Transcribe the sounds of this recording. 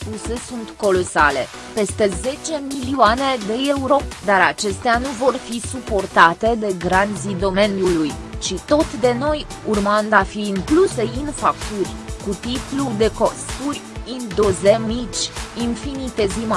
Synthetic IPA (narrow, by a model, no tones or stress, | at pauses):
pusesunt̪ko̞lo̞sale̞ | pe̞st̪e̞ze̞t͡ʃe̞milioane̞d̪e̞e̞uɾo̞d̪aɾat͡ʃe̞st̪eanuvo̞rfisupo̞rt̪at̪e̞d̪e̞ɡɾant̪zid̪o̞me̞njulujt͡ʃit̪o̞t̪d̪e̞no̞j | urmand̪afiːŋkluse̞infak̚t̪urʲkut̪ip̪lud̪e̞ko̞st̪urʲind̪ozemit͡ʃʲinfinit̪e̞zima